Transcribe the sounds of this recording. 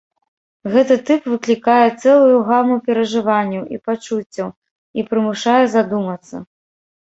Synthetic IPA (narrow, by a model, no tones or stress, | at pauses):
ɣɛt̪ɨt̪ɨpvɨklʲikajɛt̪sɛlˠujuɣamupʲɛɾɐʐɨvanʲːɐwḭpat͡ʂut͡sʲːɐw | ipɾɨmuʂajɛzad̪umɐt̪sːɐ̰